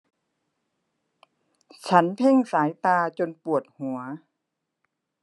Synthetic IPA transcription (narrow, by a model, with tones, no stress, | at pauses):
t͡ɕʰa˦˥npʰe˧˥˨ŋsaː˩˦jt̪aː˧t͡ɕo˧npu˨˩ət̪̚hu˨˩˦ɐ